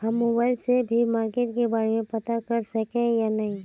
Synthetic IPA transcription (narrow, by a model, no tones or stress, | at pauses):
ɦɐmːoːbaːɪlsebʱimaːɾkeːʈkebaːɾemẽpɐt̪akɐɾsɐkẽjanɐɦĩ